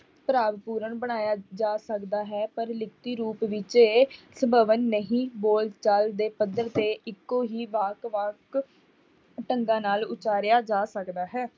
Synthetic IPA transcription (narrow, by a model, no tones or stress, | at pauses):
pɾaːʋpuːɾəɳbəɽ̃aːjaːd͡ʒaːsəkd̪aːɦɛːpəɾlɪk̚ʰt̪iːɾuːpʋɪt͡ʃeːsəbəʋənːəɦĩːboːlt͡ʃaːld̪eːpəd̪əɾt̪eːʔɪkːõːɦiːʋaːkʋaːk | ʈəŋɡãːnaːlʊt͡ʃaːɾjaːd͡ʒaːsəkd̪aːɦɛː